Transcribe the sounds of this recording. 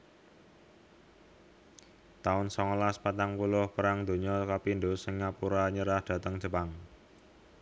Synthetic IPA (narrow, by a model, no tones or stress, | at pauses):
t̪aʊnsɔŋlaspat̪aŋpulʊhpəɾaŋd̪̥o̤ɲɔkapind̪osəŋːapuɾaɲəɾahd̪̥ä̤t̪əŋd̥ʒ̥ə̤paŋ